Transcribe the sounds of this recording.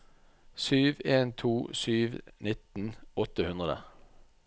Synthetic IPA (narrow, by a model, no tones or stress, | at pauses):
syːʋeːnt̪ʰuːsyːʋnɪt̪n̩ɔt̪əhʉnd̪ʁəd̪ə̰